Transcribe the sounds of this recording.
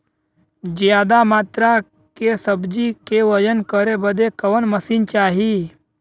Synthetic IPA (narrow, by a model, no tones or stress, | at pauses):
d͡ʒjaːd̪amaːt̪ɾa | kesəbd͡ʒikeʋəd͡ʒənkəɾebəd̪ekəʋənməsiːnt͡ʃaːɦi